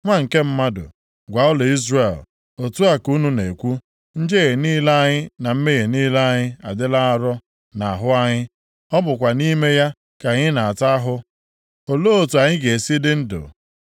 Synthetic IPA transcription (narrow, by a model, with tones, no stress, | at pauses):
ŋʷa˦ŋ̩˨ke˦m̩˦ma˦dʊ̰˨ | ɡʷa˨ʊ˦le˨i˦zre˨l | o˨tu˦a˨ku˦nu˦ne˨kʷu˦ | n̩˦d͡ʒe˦ɣe˨niː˦la˦ɲɪ˦na˨m̩˦me˦ɣe˨niː˦la˦a˦ɲɪ˦a̰˨dɪ˦la˦a˦ɾɔ˦ | na˨a˨ɦʊ˦a˦ɲɪ˦ | ɔ˦bʊ˨kʷa˨ni˦me˦ja˦ | ka˨ɲɪ˦na˨a˨ta˦a˦ɦʊ˦ | o˨lo˦o˨tu˨a˨ɲɪ˦ɡe˨e˨si˦dɪ˦n̩˦dʊ̰˨